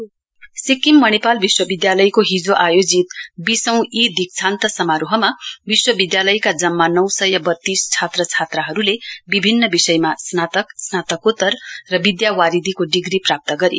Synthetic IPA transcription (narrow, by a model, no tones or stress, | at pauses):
sikːimːʌnepalbiswʌbid̪jalʌjkoɦid͡zoʔajod͡zit̪bisʌw̃id̪ʱik̚t͡sʰant̪ʌsʌmaɾuɦʌmabiswʌbid̪jalʌjkad͡zʌmːanʌwsʌjʌbʌt̪ːist͡sʰat̪rʌt͡sʰat̪rʌɦʌɾulebibʱinːʌbisʌjmasnat̪ʌksnat̪ʌkut̪ːʌrrʌbid̪jawaɾid̪ʱikoɖiɡriprap̚t̪ʌɡʌɾḭ